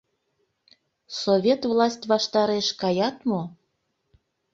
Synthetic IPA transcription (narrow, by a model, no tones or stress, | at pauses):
soβʲet̪vlɑsʲtʲβɑʃt̪ɑɾeʃkɑjɑt̪mo